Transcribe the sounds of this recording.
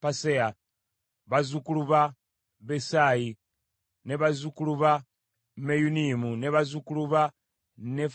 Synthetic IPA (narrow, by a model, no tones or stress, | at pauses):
pasea | βazukuluβa | βesaji | neβazukuluβa | mejunimuneβazukuluβa | ne